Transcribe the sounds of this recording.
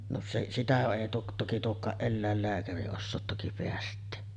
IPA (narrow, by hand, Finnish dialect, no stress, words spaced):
no seʔ sitæ eˑi tuo toki tuokˑɑːʔ ʔelːæˑelːæːkæri osːoːt toki peæstˑeː